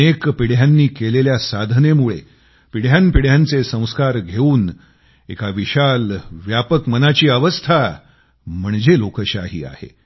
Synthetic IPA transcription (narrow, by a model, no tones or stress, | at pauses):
ekpiɽ̤janːiːkeleljasad̪ʱnemuɭḛ | piɽ̤janpiɽ̤jant͡sesə̃w̃skaɾɡʱeuːn | ekaʋiɕalʋjapəkmənat͡ɕiːəʋəst̪ʰa | m̤əɳd͡zelokəɕaɦḭːa̰hḛ